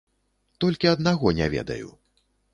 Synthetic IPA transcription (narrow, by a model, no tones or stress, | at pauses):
t̪ɔlʲkʲiɐd̪naɣɔnʲɛ̰vʲɛ̰d̪ɐ̰jṵ